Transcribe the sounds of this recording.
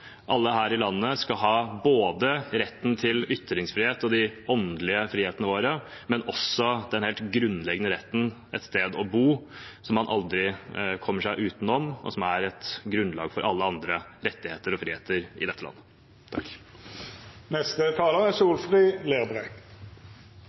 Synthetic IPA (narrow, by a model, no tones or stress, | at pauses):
ʔɑlːəɦæːɾɪlɑnːəskɑlɦɑːboːd̪əɾɛt̪ːnt̪ʰɪlʏt̪ɾɪŋsfɾiːheːt̪ɔd̪ɪɔnd̪lɪəfɾiːeːt̪ənəʋoːɾəmɛnɔsɔd̪ɛnheːlt̪ɡɾʉnːlɛɡənəɾɛt̪ːn̩ | ʔɛt̪st̪eːd̪ɔbuːsɔmhɑnʔɑld̪ɾɪkʰɔmːəʂæɪʔʉːt̪n̩ɔmɔ̰sɔmæɾɛt̪ɡɾʉnlɑ̰ːɡfɔɾʔɑlːəɑnd̪ɾəɾɛt̪ːɪheːt̪əɾɔfɾiːeːt̪ʰəɾɪ̰d̪ɛt̪ːəlɑ̰nːə | t̪ʰɑk | nɛst̪ət̪ʰɑːləʁæsuːlfʁiːleːbʁɛɡ